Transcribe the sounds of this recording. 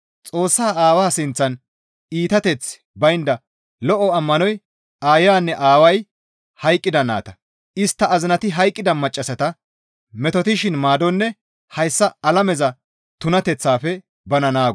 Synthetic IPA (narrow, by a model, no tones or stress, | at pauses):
t͡sʼo̞ːsːaːaːwaːsɪnt͡sːɐn | iːt̪ɐt̪ɛt͡s | bɐjnd̪ɐ | lɔʔɔɐmːɐnɔj | ʔaːjaːnːɛʔaːwɐj | hɐjkʼːɪd̪ɐna̰ːt̪ɐ̥ | ʔɪst̪ːɐːzɪnɐt̪ɪɦɐjkʼːɪd̪ɐmɐt͡ʃʼːɐsɐt̪ɐ | mɛt̪ɔt̪ɪʃɪnmaːd̪ɔnːɛ | hɐjsːɐɐlɐmɛzɐ | t̪ʊnɐt̪ɛt͡sːaːfɛ | bɐnɐnaːɡ